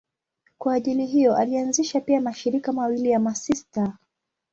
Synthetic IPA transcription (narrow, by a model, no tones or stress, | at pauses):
kwaːʄiliɦijɔʔalianziʃapiamaʃiɾikamawilijamasista